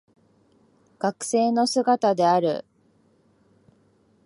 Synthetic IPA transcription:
ɡ̥akɯ̟̥se̞ːno̞sɨɡat̪ad̪e̞aɾɯ̟̰

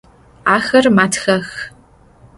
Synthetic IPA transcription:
aːxɐrmaːtʰxɐx

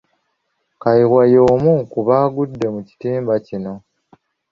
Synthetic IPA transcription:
kajiɣwajo̞ːmukuβaːɡudːe̞muci̥tiːmbacino̞

